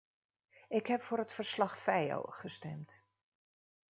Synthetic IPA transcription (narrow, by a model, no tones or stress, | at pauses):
ɪkhɛpfʊːɾətfərslɑχfɛjo̰χəstɛmt